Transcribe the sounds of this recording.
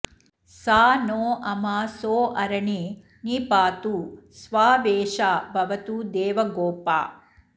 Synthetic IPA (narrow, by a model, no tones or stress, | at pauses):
saːnoːʔɐmasoːʔɐɾɐɳi | niːpaːt̪usʋaːʋeːʃaːbʱɐʋɐt̪ud̪eːʋɐɡoːpa̰ː